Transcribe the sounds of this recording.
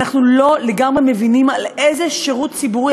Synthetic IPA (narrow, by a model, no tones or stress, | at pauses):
aχnulo̞leɡamʁe̞me̞vinimalejzeʃeʁut̪t͡sibuʁi